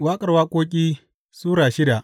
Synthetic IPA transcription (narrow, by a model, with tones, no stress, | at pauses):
waː˦kʼɐ˨rwaː˦kʷoː˦kʲʼiː˦ | suː˦ɽaː˨ʃɪ˦da˨ʔ